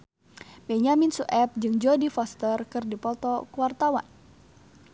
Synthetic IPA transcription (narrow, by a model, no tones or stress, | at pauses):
bɛɲaminsuʔɛp̚d͡ʒɨŋd͡ʒɔdifɔst̪ərkɨrdipɔt̪ɔkuwart̪awa̰n